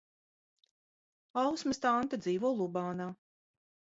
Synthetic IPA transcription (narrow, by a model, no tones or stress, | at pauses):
awsmɨst̪ant̪ad̪ziːvuɔlˠubaːnaː